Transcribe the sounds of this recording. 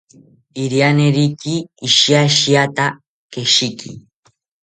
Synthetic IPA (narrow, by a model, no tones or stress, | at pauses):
iɾianeɾikiːʃiaʃiat̪a | keʃikḭ